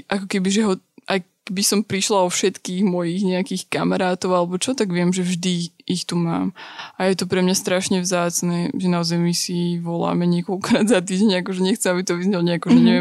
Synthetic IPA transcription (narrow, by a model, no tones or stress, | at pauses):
ʔakɔkɛbiʒɛɦɔʔajkbisɔmpɾiʃlaɔfʃɛt̪kiːɣmɔjiɣɲɛakiːxkamaɾaːt̪ɔʊalɛbɔt͡ʃɔt̪aɡʋɪɛmʒɛvʒd̪iːxt̪uma̰ːmʔajɛt̪ɔpɾɛmɲast̪ɾaʃɲɛvzaːt͡snɛʒɛnaɔzajmisiʋɔla̰ːmɛɲɪɛkɔlkɔɾaːd̪zat̪iːɟɛɲakɔʒɛɲɛxt͡sɛmabit̪ɔʋizɲɛlɲɛakɔʒɛɲɛʋɛm